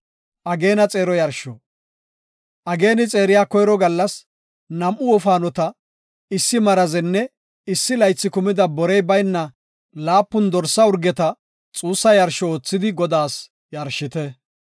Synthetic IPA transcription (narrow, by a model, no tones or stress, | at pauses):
ʔɐɡe̞ːnɐt͡sʼe̞ːɾɔjɐɾʃɔ̰ | ʔɐɡe̞ːnɪt͡sʼe̞ːɾɪjaːkɔjɾɔɡɐlːɐs | nɐmʔʊɔfaːnɔt̪ɐ | ɪsːɪmɐɾɐzɛnːɛ | ɪsːɪlɐjt͡sːɪkʊmɪd̪ɐbɔɾɛjbɐjnːɐ | laːpːʊnd̪ɔɾsːɐʊɾɡɛt̪ɐ | t͡sʼuːsːɐjɐɾʃɔoːt͡sːɪd̪ɪɡɔd̪aːs | jɐɾʃːɪt̪ɛ